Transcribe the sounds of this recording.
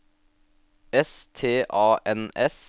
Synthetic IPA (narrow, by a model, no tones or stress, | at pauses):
ɛst̪ʰeːʔɑːʔɛnɛs